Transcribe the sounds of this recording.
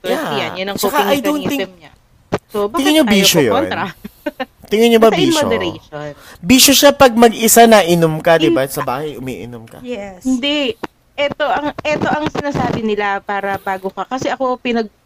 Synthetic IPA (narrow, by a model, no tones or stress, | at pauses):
ajɐ̰njɐnɐŋt͡ʃokɐɐjd̪ont̪ɪŋɐmɲɐ | sobaɪŋɪɲobiːʃojo̰onnɾɐ | t̪ɪŋɪnɲobɐbiːʃoɛɾeʃonbiːʃoʃapɐɡ̚mɐɡɪsanɐʔɪnomkɐd̪ɪbasɐba̰ːhɐjʔʊmḭːʔɪ̰nomkɐ̰jɛshɪnd̪ɛ | ʔɛt̪o̞ʔɐŋʔɛt̪o̞ʔɐŋsɪnaːsaːbɪnɪlapaːɾɐbaːɡokɐkɐsɛʔɐko̞pɪnɐɡ̚